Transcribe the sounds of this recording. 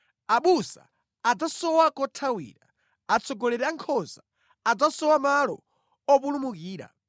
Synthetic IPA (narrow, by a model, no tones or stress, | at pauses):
aɓusa̰ | ad͡zasɔwakɔtʰawḭːɾa | at͡sʰɔɡɔlɛɾɛaŋkʰɔza | ad͡zasɔwamalɔ̰ | ɔpulumukiːɾa̰